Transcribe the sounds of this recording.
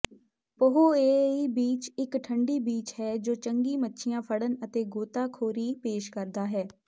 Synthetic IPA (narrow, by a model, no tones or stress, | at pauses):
pəɦoːeːiːbiːt͡ʃɪkʈʰəɳɖiːbiːt͡ʃɦɛːd͡ʒoːt͡ʃəŋɡiːmətːʃʰɪjãːpʰəɽənət̪eːɡoːt̪aːkʰoːɾiːpeːʃkəɾd̪aːɦɛː